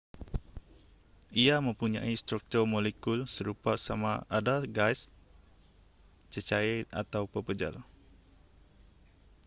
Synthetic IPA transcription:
ʔiamə̃mpuɲã̰ʔist̪ɾuk̚t̪urmolekulsəɾupasamaʔadaɡajs | t͡ʃət͡ʃaɛt̪̚a̰t̪awpəpəd͡ʒa̰l

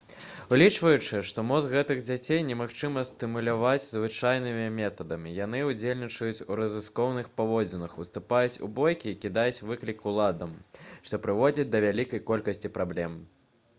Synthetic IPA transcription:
ulʲit͡ʂvɐjut͡ʂɨʂt̪ɔmɔzɣɛt̪ɨɣd͡zʲat͡sʲejnʲɛmaxt͡ʂɨmɐst̪ɨmulʲavad͡zʲzvɨt͡ʂajn̪ɨmʲimʲɛt̪ɐd̪ɐmʲijan̪ɨud͡zʲelʲnʲit͡ʂɐjut͡sʲuɾɐzɨskɔwnɨxpavɔd͡zʲinɐxust̪upajut͡sʲṵbɔjkʲiːkʲid̪ajut͡sʲvɨklʲikulˠad̪ɐmʂt̪ɔpɾɨvɔd͡zʲit͡sʲd̪ɐvʲalʲikɐjkɔlʲkɐsʲt͡sʲipɾablʲɛm

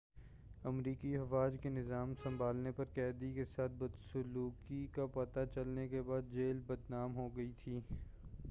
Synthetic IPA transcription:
ɐmɾiːkiɐʋaːd͡ʒkenɪzaːmsɐ̃mbʱaːlnepɐɾkɛːd̪ikesaːt̪̚ʰbɐd̪sʊluːkikapɐt̪at͡ʃɐlnekebaːd̪̚d͡ʒeːlbɐd̪naːmɦoɡɐit̪ʰiː

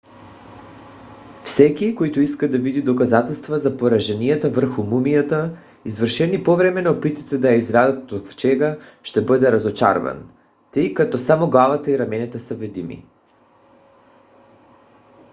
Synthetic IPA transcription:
fsɛkʲikoit̪oiskad̪avid̪id̪okazat̪ɛlˠst̪vazapoɾaʒɛniat̪avər̩xumumijat̪a | izvərʃɛnipovɾɛmɛnopit̪it̪ɛd̪ajaizɡɾazat̪ːokft͡ʃɛɡaʃt̪ɛbɤd̪ɛɾazot͡ʃa̰ɾva̰n | t̪əjkat̪ɔsamoɡlˠavat̪aiɾamɛnit̪ɛsəvɛd̪imḭ

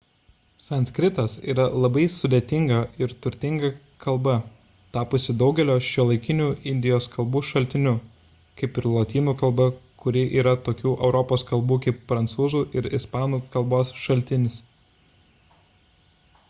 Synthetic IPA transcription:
sɐnʲsʲkɾʲɪt̪ɐsiːɾɐlˠɐbɐɪsʊd̪ʲeːt̪ʲɪŋɡɐɪɾt̪ʊɾʲt̪ʲɪŋɡɐ | kʰɐlˠbɐ | t̪ɑːpʊːsʲɪd̪ɒʊɡʲɛlʲoːʃʲilˠɐɪkʲɪnʲuːɪnʲd̪ʲɪjoːskɐlˠbuːʃɐlʲt̪ʲɪnʲʊ | kɐɪpɪɾlˠoːt̪ʲiːnuːkɐlˠbɐkʊɾʲɪʔiːɾɐt̪oːkʲuːʔɛʊɾɔpoːskɐlˠbuːkɐɪpfɾɐnt̪suːzuːʔɪɾɪspɑːnuːkɐlˠboːsʃɐlʲt̪ʲɪnʲɪs

